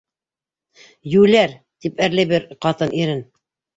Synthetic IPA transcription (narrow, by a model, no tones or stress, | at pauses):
jʉlæɾ | t̪ipæɾlæbɘɾqɑt̪ɤnʔiɾɘn